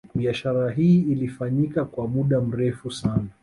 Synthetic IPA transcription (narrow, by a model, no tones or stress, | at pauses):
ɓiaʃaɾaɦiːilifaɲikakwamuɗam̩ɾɛfusana